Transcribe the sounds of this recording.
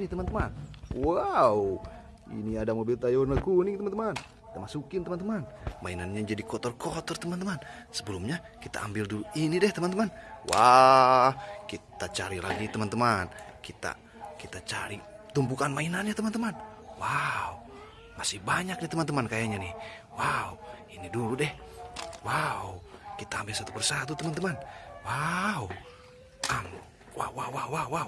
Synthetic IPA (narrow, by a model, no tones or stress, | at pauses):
nit̪əmant̪əmanwau | ḭniadamobilt̪ajornəkunit̪əmant̪əman | kit̪amasukɪnt̪əmant̪əmanmainanɲad͡ʒadikɔt̪ɔrkɔt̪ɔrt̪əmant̪əmansəbəlumɲa | kit̪a̰a̰mbilduuinidɛht̪əmant̪əmanwʔa | kit̪at͡ʃaɾila̰ɡit̪əmant̪əmankit̪a̰ | kit̪at͡ʃa̰ɾit̪umpukanmainanɲat̪əmant̪əman | wau | masihbaɲak̚dɛht̪əmant̪əmankajaɲanih | wauiniduludɛhwaukit̪aːmbilsat̪upərsat̪ut̪əmant̪əmanwau | am | wa̰wawauwawau